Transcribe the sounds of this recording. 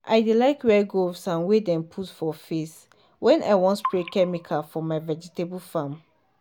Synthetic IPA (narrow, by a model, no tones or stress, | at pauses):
ʔa̰ɪdelaɪkwɛɡovsãnwedɛ̃mpʰutfɔfes | wɛ̃nʔa̰ɪwɔ̃ntpɹekɛmikʰafɔmaɪvɛd͡ʒitebəlfãm